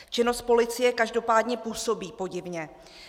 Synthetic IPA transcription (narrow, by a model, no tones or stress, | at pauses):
t͡ʃɪno̞st̪̚po̞lɪt͡sɪjɛkaʒdo̞paːdɲɛpuːso̞biːpo̞ɟɪvɲɛ